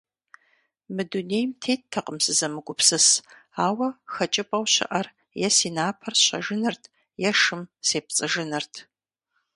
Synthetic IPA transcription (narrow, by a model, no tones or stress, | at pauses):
mɨduneːjmtʰeːt̚tʰːɐqəmsɨzɐmɨɡʷʼʊpsɨsaːwɐxɐt͡ʃʼɪpʼɐwɕɪ̰ʔɐr | jɛsiːnaːpʰɐrɕɐ̰ʒɨnɐrtʰ | jɛʂɨmseːp̚t͡sʼɨʒɨnɐrtʰ